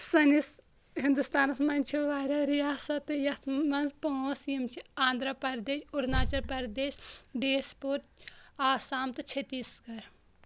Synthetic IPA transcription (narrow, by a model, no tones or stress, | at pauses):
sɐnis | ɦind̪ust̪aːnɐsmɐnʲt͡ʃʰiʋaːɾʲɐɾijaːsɐt̪ɨjɐt̪ʰmɐnzpoõsjimt͡ʃʰiaːnd̪ɾɐpɐɾd̪eːʃuɾnaːt͡ʃɐɾpɐɾd̪eːʃɖeːspuɾaːsaːmt̪ɨt͡ʃʰet̪isɡɐɾ